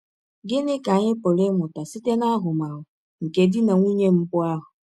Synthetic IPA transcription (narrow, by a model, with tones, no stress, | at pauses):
ɡɪ˦nɪ˦ka˨ɲɪ˦po˨lɪ˦mʊ˨ta˨si˦te˦na˦ɦʊ˨ma˨ɦʊ˨ | ŋ̩˨ke˨dɪ˦na˨ŋʷi˦ɲe˦m̩˦pʊ˦a˦ɦʊ˨